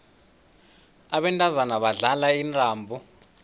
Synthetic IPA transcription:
aɓɛntʼazanaɓaɮalaintʼaːmbʱu

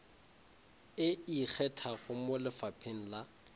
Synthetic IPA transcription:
ɪik͡xʰɛtʰaɣʊmʊlɪfapʰeŋ̩la

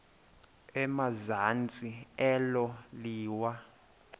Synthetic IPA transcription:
ɛmazant͡sʼiɛlɔliːwa

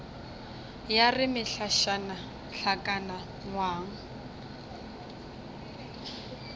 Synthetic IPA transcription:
jarɪmɪɬaʃana | ɬʰakʼana | ŋwaːŋ̩

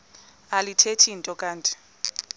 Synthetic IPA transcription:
alitʰetʰintʼɔkʼaːntʼi̥

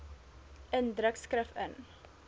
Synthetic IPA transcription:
ʔəndɾəkskrəfə̰n

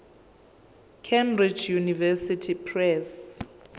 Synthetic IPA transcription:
kʰɛmbrid͡ʒjunivɛsitʰipʰrɛs

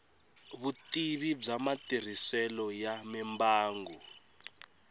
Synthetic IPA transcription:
βutiβib͡ʐamatir̤isɛlɔjamɛmbaːŋɡɔ

